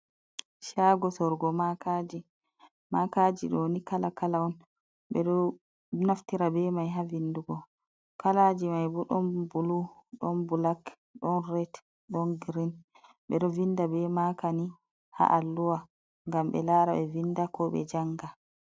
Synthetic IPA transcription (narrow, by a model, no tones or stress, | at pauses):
ʃaɡɔsɔɾɡɔmakad͡ʒi | makad͡ʒiɗɔonikalakalawɔn | ɓɛ̰ɗɔ | naftiɾabɛmajɦavinduɡɔ | kalad͡ʒimajbɔɗɔnbuluɗɔnbulak | ɗɔnrɛt | ɗɔnɡɾin | ɓɛ̰ɗɔvindabɛmakani | ha̰ʔalːuwa | ŋɡamɓɛ̰laɾaɓɛvinːdakɔɓɛ̰d͡ʒaŋɡa